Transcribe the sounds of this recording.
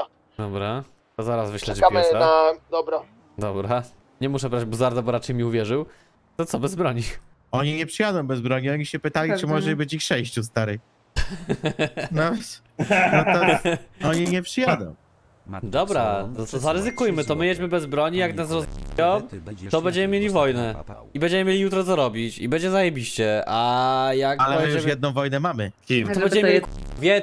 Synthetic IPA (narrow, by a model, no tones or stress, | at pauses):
d̪ɔbɾa | t̪ɔzaɾasvɘɕlɛd͡ʑkaad̪ɔbɾa | d̪ɔbɾa | ɲɛmuʂɛbɾad͡ʑbɔzaɾd̪abɔɾat͡ʂɛjmʲiuvʲjɛʐɘw | t̪ɔt̪sɔbɛzbɾɔɲi | ɔɲiɲɛpʂɨjad̪ɔ̃w̃bɛzbɾɔɲiɔɲiɕɛpɘt̪alʲit͡ʂɨmɔʐɛbɘt͡ɕixʂɛjɕt͡ɕus̬t̪aɾɘj | nɔ | nɔt̪ɔɔɲiɲɛpʂɨjad̪ɔ̰̃w̃ | d̪ɔbɾat̪ɔɔzaɾɨzɘkujmɘt̪ɔmɘjɛd͡ʑmɘbɛzbɾɔɲijaknasɾɔzjɔ̃wt̪ɔbɛɲd͡ʑɛmɘmʲjelʲivɔjnɛ | ibɛɲd͡ʑɛmɘmʲjelʲijut̪ɾɔt̪sɔɾɔbʲit͡ɕibɛɲd͡ʑɛzajɛbʲiɕt͡ɕɛajakalɛɛuɛʂjɛd̪nɔ̃w̃vɔjnɛmamɘ | ɔbɛɲd͡ʑɛmm | vʲjɛ